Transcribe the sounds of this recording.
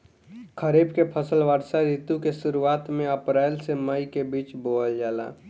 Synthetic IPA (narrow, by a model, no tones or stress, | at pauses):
kʰəɾiːbkepʰəsəlʋəɾsaɾit̪ukesʊɾuaːt̪mẽəpɾaːɪlseməikebiːt͡ʃboːəld͡ʒaːla̰ː